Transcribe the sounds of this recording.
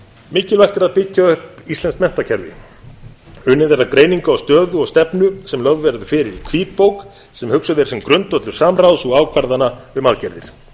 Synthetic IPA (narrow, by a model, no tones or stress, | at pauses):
mɪːcɪlvajxt̪ɛɾaðpɪcːaʏhpist̪lɛnskmɛn̥t̪acʰɛɾvɪ̰ | ʏnːɪðɛɾakɾeːjniŋkaɔwst̪œːðʏɔɣst̪ɛpnʏsɛmlœvvɛɾðʏfɪːɾɪɾikʰv̥iːt̪̚powk | sɛmhʏksʏðɛɾ̥sɛmkɾʏnt̪ɔt̪lʏɾ̥saːmrawsɔɣaːwkʰvaɾðanaʏmaðcɛɾðɪɾ̥